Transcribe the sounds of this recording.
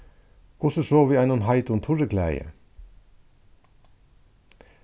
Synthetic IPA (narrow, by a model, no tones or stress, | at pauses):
kʰʊsəʃoːʋiːæɪnʊnɦɑɪt̪ʊnt̪ʰʊɹəkʰlæ̰jə̰